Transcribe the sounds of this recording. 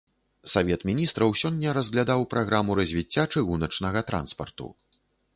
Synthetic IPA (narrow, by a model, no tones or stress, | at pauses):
savʲɛt̪mʲinʲist̪ɾɐwsʲɔnʲːɐɾɐzɣlʲad̪awpɾaɣɾamuɾɐzʲvʲit͡sʲːat͡ʂɨɣunɐt͡ʂnɐɣɐt̪ɾa̰nspɐ̰rt̪ṵ